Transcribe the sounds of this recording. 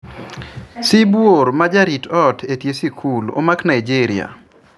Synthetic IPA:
sibwoɾmad͡ʒaɾitɔtʰetjesikʰulo̰maknaid͡ʒiɾɪa̰

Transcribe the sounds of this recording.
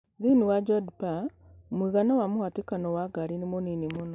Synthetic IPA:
ðiniwad͡ʒɔdpa | omwiɣanawamuhatikanɔwaɡaɾinimoninimuno

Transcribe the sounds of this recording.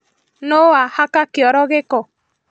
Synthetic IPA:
noahakakɪɔɾɔɣɪkɔ

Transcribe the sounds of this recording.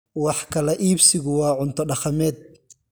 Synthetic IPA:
wɑħkʰɐlɛʔiːbsɪɣʊwɑːʕʊnt̪ʰɔɖɑχɐmɛːd̪̚

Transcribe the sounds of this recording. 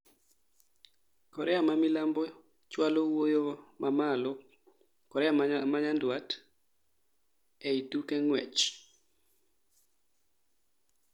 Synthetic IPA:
kɔɾɛamamilambɔ | t͡ʃwalowojomamalɔ | kɔɾɛamaɲandwat | ɛitukɛŋwɛ̰t͡ʃ

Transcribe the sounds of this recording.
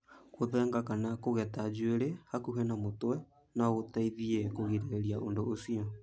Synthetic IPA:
koðɛŋɡakanakoɣɛtad͡ʒweɾehakuɦɛnamotwɛ | naɣotaiðiɛkoɣiɾeɾeɾiaʔondoʔosiɔ

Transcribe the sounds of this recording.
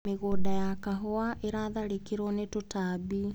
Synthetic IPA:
meɣoːdajakaɦoaʔeɾaðaɾikiɾɔnetotabi

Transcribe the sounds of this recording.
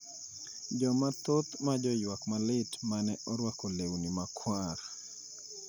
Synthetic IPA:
d͡ʒɔmat̪ot̪mad͡ʒɔjwakmalɪtmanɛʔɔɾwakolewnimakʰwaɾ

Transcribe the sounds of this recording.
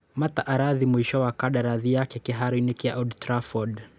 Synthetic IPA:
mataʔaɾaðimuiʃɔwakaɗaɾaðijakɛkɛɦaɾinikiaʔɔdtɾafɔd

